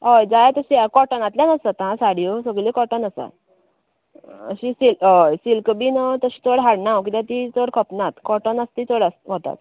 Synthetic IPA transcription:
əjd͡zajt̪əɕiakɔʈənat̪ljanəsət̪ãsaɽijosəɡlikɔʈənəsa̰ | ə̰ɕisilsilkbinət̪əɕi̥ːt̪ʰoɽɦaɽnawk̬it̪ãt̪it̪oɽkʰəpnat̪kɔʈənəst̪iːt̪ʰoɽasɦot̪a̰t̪

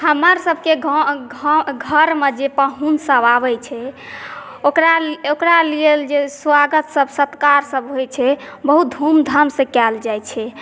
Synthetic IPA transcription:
həməɾsəbʱke | ɡʱəɾmed͡ʒepəɦunsəbabɛt͡ʃʰɛ | okɾaokɾalield͡ʒeswaɡət̪səbʱsət̪kaɾsəbɦojt͡ʃʰɛ | bəɦut̪̚d̪ʱumd̪ʱəmsẽkɛld͡ʒajt͡ʃʰɛ

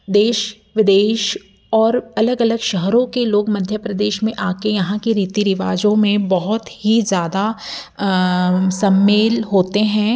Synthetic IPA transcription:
d̪eːʃ | ʋɪd̪eːʃ | ɔːɾɐləɡɐləɡʃəɦɾõkeloːɡmɐd̪ʱjəpɾɐd̪eːʃmẽʔaːkejɐɦãkiɾiːt̪iɾɪʋaːd͡ʒõmẽbɐɦʊt̪ɦizjaːd̪a | sɐmːeːlɦoːt̪eɦɛ̃ː

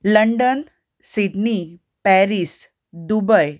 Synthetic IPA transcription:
ləɳɖən | siɖni | pɛɾis | d̪ubəj

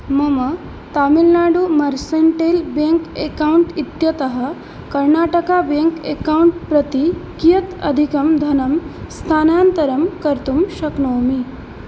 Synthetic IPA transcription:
mɐmɐ | t̪aːmilnaːɖumɐɾseɳʈeːlbeŋkekauɳʈit̪jɐt̪ɐɦɐ̆ | kɐɾnaːʈɐkabeŋkekauɳʈpɾɐt̪ikijɐt̪ɐ̰d̪ʱikɐmd̪ʱɐnɐmst̪ʰaːnaːnt̪ɐɾɐmkɐɾt̪umʃɐknoːmi

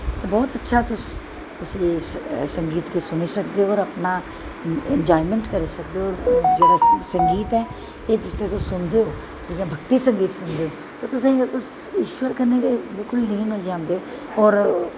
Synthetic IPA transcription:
t̪eːbɔːt̪ətːʃʰaːt̪ʊs | ʊsĩːsəŋɡiːt̪kiːsʊneːsəkd̪eːɦoːɾəpnaː | ɛɲd͡ʒaːimɛ̃ɳʈkəɾeːsəkd̪eːoːɾd͡ʒeːɽaːsəŋɡiːt̪ɛː | eːd͡ʒɪst̪ẽːt̪osʊnd̪eːɦoː | d͡ʒijãːbʱəkt̪iːsəŋɡiːt̪sʊnd̪eːoː | t̪eːt̪ʊsẽːt̪ʊsɪʃwəɾkəɾneːkeːbɪlkʊlnəĩːnõːd͡ʒãːnd̪eːoː | ɔːɾ

